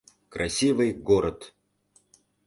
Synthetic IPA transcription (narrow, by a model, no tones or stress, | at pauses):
kɾɐsʲivɨjɡoɾət̪